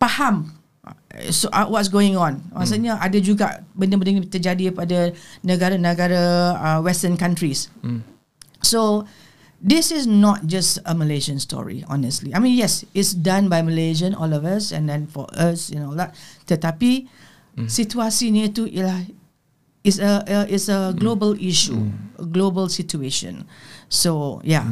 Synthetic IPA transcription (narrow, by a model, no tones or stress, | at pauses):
pahãm̰ | soʔwɔtsɡoɪ̃ŋɔ̃nmasəɲəʔa̰dəd͡ʒuɡa̰ʔbəndəbəndənit̪əd͡ʒadipadənəɡaɾənəɡaɾəəwɛstə̃nkãntɹis | o | disɪsnɔt̚d͡ʒasəməled͡ʒə̃nstɔ̰ɹḭɔ̰nəstliajmĩnjɛsɪtsdãnbajməled͡ʒə̃nɔ̰lɔfəsɛ̰̃ndɛ̃nfɔ̰ʔəsjunolat̚tətapi | sit͡ʃuasinituʔla | ɪsəʔəʔɪtsəɡlobəliʃṵə̰ɡlobəlsit͡ʃueʃə̰̃nsoja